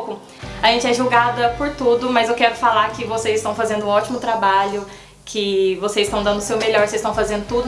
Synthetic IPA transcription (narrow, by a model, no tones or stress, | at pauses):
kʊ | ɐʒẽnt͡ʃɪɛʒuwɡad̪ɐpʊɾt̪ud̪ʊmɐzewkɛɾʊfalakɪvosezɪst̪ɐ̃w̃fazẽnd̪ʊũɔt͡ʃimʊt̪ɾabaʎʊ | kʰɪvosezɪst̪ɐ̃w̃d̪ɐ̃nd̪ʊsewmeʎɔɾsezst̪ɐ̃w̃fazẽnd̪ʊt̪ud̪ʊ